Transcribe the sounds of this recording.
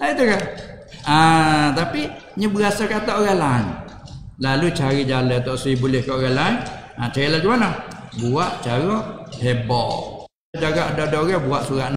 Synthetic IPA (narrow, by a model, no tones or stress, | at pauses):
lait̪uka | at̪api | ɲəbəɣasakat̪ɔʔɣalaŋ | lalut͡ʃaɾid͡ʒalət̪ɔʔsibulɛhkaʔɣalaŋat͡ʃaɾilad͡ʒumanɔbuaʔt͡ʃaɾɔhebɔ̰ | daɡaʔadɔdɔɣabuaʔsuɾaʔn